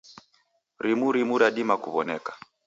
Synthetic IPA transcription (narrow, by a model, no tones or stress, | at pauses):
ɾimuɾimuɾaɗimakṵβɔnɛkḁ